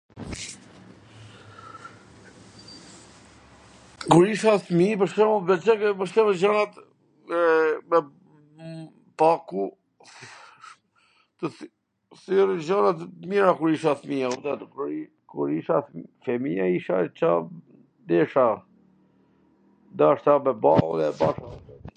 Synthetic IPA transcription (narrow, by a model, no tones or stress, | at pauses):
kuɾiʃaθmipəʃkɛmɔvɛt͡ʃɛkɛpəʃkɛmɛd͡ʑanat̪ | ɛmɛ | paku | t̪ə | θyɾid͡ʒanat̪miɾakuɾiʃaθmiaut̪at̪kɾi | kuɾiʃafɛmiaiʃa̰t͡ʃa | d̪ɛʃa | d̪aʃt̪amɛbaɔ̰ðɛbaʃa